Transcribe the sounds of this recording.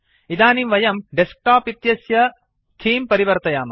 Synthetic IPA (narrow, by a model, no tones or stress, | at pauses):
id̪aːnimʋɐjɐmɖesk̚ʈaːpit̪jɐsjɐ | t̪ʰiːmpɐɾiʋɐɾt̪ɐjaːmɐ